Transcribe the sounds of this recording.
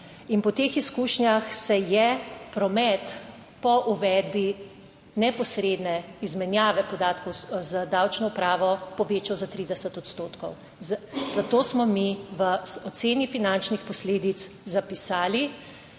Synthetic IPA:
inpɔt̪eːxiskuːʃnjaxsɛjɛpɾɔmɛt̪ | pɔʔuʋɛd̪bi | nɛpɔsɾeːd̪nɛizmɛnjaːʋɛpɔd̪aːt̪kɔwzad̪awt͡ʃnɔupɾaːʋɔpɔʋeːt͡ʃawzat̪ɾiːd̪ɛsət̪ɔt̪st̪oːt̪kɔw | zat̪oːsmɔmiʋəɔt̪seːnifinant͡ʃnixpɔsleːd̪it̪szapisaːli

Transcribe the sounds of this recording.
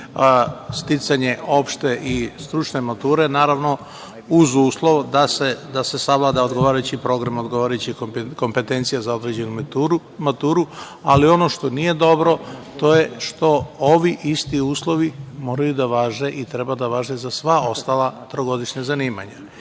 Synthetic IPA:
st̪it̪saɲe̞o̞pʃt̪e̞ʔist̪ɾut͡ʃne̞mat̪uːɾe̞naːɾaʋno̞ | uzuːslˠo̞ʋd̪ased̪ase̞saʋlad̪ao̞d̪ɡo̞ʋaːɾajut͡ɕipɾo̞ɡɾamo̞d̪ɡoʋaːɾajut͡ɕiko̞mpe̞t̪e̞nt̪sijazao̞d̪ɾed͡ʑe̞numuɾu | mat̪uːɾu | alio̞no̞ʃt̪o̞nije̞d̪o̞bɾo̞t̪o̞je̞ʃt̪o̞oʋiʔist̪iuːslˠo̞ʋimo̞ːɾajud̪aʋaːʒeʔit̪ɾe̞bad̪aʋaːʒezasʋao̞st̪alat̪ɾoɡo̞d̪iʃɲazaniːma̰ɲa

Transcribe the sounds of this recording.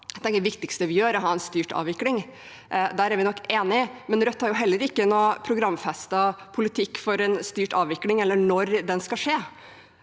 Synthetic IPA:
t̪ɛŋkəʋɪkt̪ɪkst̪əʋɪjøːɾɔɦɑːɛnst̪yːʈɑ̰ːʋɪklɪŋ | d̪æːɾæɾʋɪnɔkːeːnɪmɛnɾœt̪ːhɑɾjʊɦɛlːəɾɪkːənoːpʰɾʊɡɾɑmːfɛst̪ɑpʰʊlɪt̪ʰɪkːfɔɾɛnst̪yːʈɑːʋɪklɪŋɛlːəɳɔɾd̪ɛnskɑlʂeː

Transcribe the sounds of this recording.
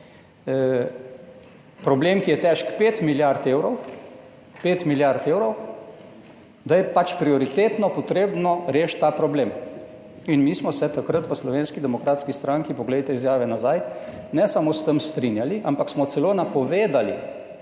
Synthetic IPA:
pɾɔbleːmkijɛt̪ɛʃkpet̪miljaɾt̪eːwɾɔw | peːt̪miljaɾt̪eːwɾɔw | d̪ajɛpat͡ʃpɾiɔɾit̪eːt̪nɔpɔt̪ɾeːbnɔɾeːʃtt̪ːaːpɾɔbleːm | inmiːsmɔsɛt̪akɾət̪ʋəslɔʋeːnskid̪ɛmɔkɾaːt̪skist̪ɾãŋkipɔɡlɛjt̪ɛizjaːʋɛnazajnɛsamost̪əmst̪ɾinjaliʔampaksmɔt̪sɛloːnapɔʋeːd̪alḭ

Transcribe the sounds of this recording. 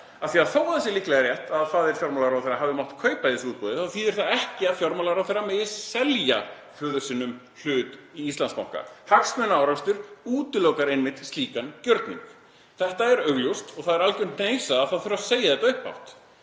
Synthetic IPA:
aθiaðθoːwθɛsːɪlɪhklɛɣaɾrjɛht̪aðθaðɛɾ̥fjɔɾmɔlaɾawθejɾːaɦavðɪmaht̪kʰœɥpaðɪsuːt̪̚pɔðɪθaθiðɛɾ̥θaðɛhcɪaðfjɔɾmɔlaɾawθejrːamɛðɪsɛlja̰ | fœːðʏɾ̥sɪnːʏm | l̥ʏːt̪iist̪lansma̰whka̰haksmœnaawɾast̪ʏɾuːt̪ʏlowkaɾejnmɪht̪st̪liːkancœɾt̪nḭŋk | θɛht̪aɛɾœɣljuwst̪ɔɣθaðɛɾalkʏnn̥eːjsaːðθaðθʏɾaseːjaθɛt̪aʏhpa̰wht̪

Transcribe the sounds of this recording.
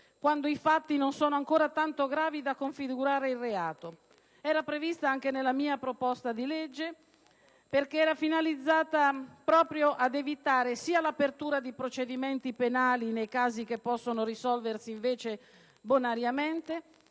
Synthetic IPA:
kwand̪oifat̪ːinonsoːnoaŋkoːɾat̪ant̪oɡɾaːvid̪akːoɱfiɡuɾaːɾeilreaːt̪o | ɛːɾapɾevist̪aaŋk̟enelːamiːapɾopɔst̪ad̪iled͡ʒːe | perkeɛːɾafinalid̪zːaːt̪apɾɔːpɾjoʔad̪evit̪aːɾesiːalapert̪uːɾad̪ipɾot͡ʃed̪iment̪ipenaːlinejkaːzik̟epːɔsːonoɾisɔlversiːɱveːt͡ʃe | bonaɾjament̪e

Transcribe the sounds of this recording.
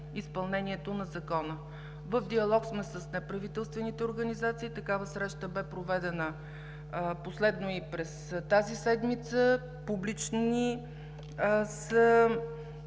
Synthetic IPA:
ispɐlˠnɛniɛt̪onɐzɐkɔnə | vəfd̪iɐlˠɔksmɛsəsnɛpɾɐvit̪ɛlˠst̪vɛnit̪ɛoɾɡənizat̪siːt̪ɐkavəsɾɛʃt̪əbɛpɾovɛd̪ɛnə | poslɛd̪noipɾɛst̪azisɛd̪mit̪sə | publit͡ʃni | sə

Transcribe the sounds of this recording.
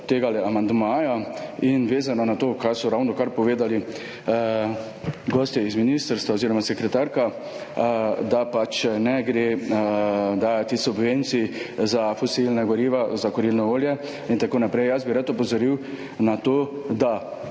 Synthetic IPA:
t̪eːɡalɛamand̪maːjainʋeːzanɔnat̪oːkaɾsɔɾawnɔkaɾpɔʋeːd̪ali | ɡɔːst̪jɛizminist̪əɾst̪ʋaoziːɾɔmasɛkɾɛt̪aɾka | d̪apat͡ʃnɛɡɾe | d̪aːjat̪isubʋent̪sizafɔsilnaɡɔɾiːʋazakɔɾilnɔoːljɛ | int̪akoːnapɾɛjjasbiɾat̪ɔpɔzɔɾiw | nat̪oːd̪a

